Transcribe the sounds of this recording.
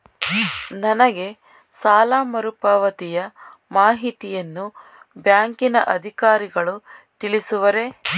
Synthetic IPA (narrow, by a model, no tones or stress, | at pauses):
nɐnɐɡe̞ | saːlaːmɐɾupaːʋɐt̪ijɐmaːɦit̪ijɐnːu | bjaːŋkinɐʔɐd̪ʱikaːɾiɡɐɭut̪iɭisuʋɐɾe̞